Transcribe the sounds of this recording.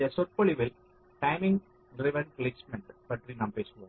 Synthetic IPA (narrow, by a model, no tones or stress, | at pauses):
ɐsɔɾpɐɭiʋɪl | ʈãɪmɪ̃ŋɡ | ɾɪʋɐnpleːsmɛɳʈpɐʈɾinãːmpeːskõ